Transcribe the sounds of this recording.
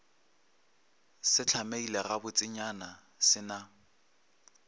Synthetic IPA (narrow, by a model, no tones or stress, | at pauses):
sɪt͡ɬʰameilɛɣabʊt͡sʼɪɲana | sɪna